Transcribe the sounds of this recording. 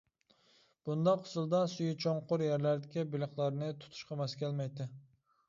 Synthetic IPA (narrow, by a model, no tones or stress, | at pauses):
b̥und̪ɑqʰːʊ̥sɨlˠd̪ɑsujut͡ʃʰoɴqʰʊɾjæɾlæɾd̪ɪkʲibɪlˠɨχlˠɑɾnɨt̪ʰʊ̥t̪ʰu̥ʃqʰɑmɛskʲʰɛlmɛjt̪ɪ